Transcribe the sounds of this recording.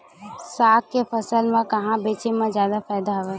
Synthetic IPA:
saːkkefəsəlmẽkɐɦãbeːt͡ʃemẽzjaːd̪afɛːd̪aɦʋe

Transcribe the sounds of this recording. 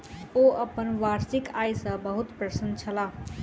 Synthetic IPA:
oʔəpənʋaɾsikajsəbəɦut̪pɾəsənd̪t͡ʃʰəla

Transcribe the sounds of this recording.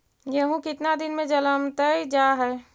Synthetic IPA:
jɐɦũkɪt̪nad̪ɪnmẽd͡ʒɐləmt̪əid͡ʒaːɦɛː

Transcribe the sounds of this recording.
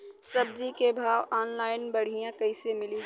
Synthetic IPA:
sɐbzikebʱaːʋɔːnlaːɪnbɐɽ̤ijãkɐisemɪli

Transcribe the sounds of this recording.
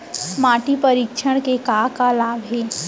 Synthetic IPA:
maːʈipəɾikʃʰəɽ̃kekakalaːbɦeː

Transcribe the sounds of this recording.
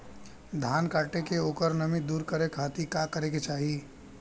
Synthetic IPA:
d̪ʱaːnkaːʈekeoːkəɾnəmid̪uːɾkəɾekʰaːt̪ikakəɾeket͡ʃaːɦi

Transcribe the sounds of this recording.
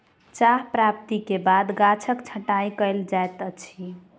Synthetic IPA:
t͡ʃaɦpɾap̚t̪ikebad̪ɡat͡ʃʰəkt͡ʃʰəʈajkəjld͡ʒaet̪ət͡ʃʰi

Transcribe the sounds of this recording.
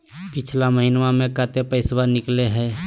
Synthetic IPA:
pɪt͡ʃʰlaməɦinʋamẽkat̪epəɪswanɪkleɦɛː

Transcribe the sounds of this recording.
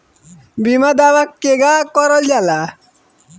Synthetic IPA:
bimad̪awakːeɡakɔɾɔljala

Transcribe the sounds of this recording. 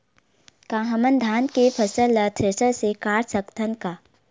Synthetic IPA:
kaːɦəmənd̪ʱaːnkepʰəsəlːɐt̪ʰɪsəɾsekaːɾsəkt̪ʰənkaː

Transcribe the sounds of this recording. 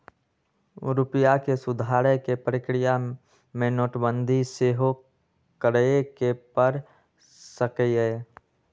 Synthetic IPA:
ɾʊpɪjakesʊd̪ʱaːɾəjkepɾɪkɾɪja | mẽnoːʈbə̃nd̪ʱiseːɦo | kəɾekepəɾ | səkeeː

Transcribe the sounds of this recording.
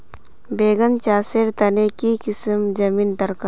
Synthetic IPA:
beːɡənt͡ʃaːseɾt̪ɐnekikɪsmd͡ʒɐmiːnd̪ɐɾka

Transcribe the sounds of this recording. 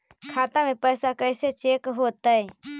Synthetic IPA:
kʰaːt̪amẽpəɪsakəjset͡ʃeːkɦoːt̪əe

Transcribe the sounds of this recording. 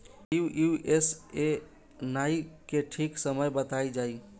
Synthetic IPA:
uʔuʔese | naikeʈʰiksəməjbət̪aid͡ʒai

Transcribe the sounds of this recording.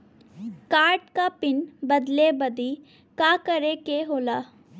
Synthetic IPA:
kaːɾʈkaːpɪnbəd̪lebəd̪iː | kaːkəɾekeɦoːlaː

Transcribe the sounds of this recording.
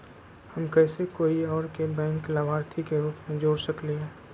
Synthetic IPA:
həmkɛːsekoːiɔːɾkebɛ̃ːŋkləbʱaːɾt̪ʰikeɾuːpmẽd͡ʒoːɽsəkleɦɛ̃ː

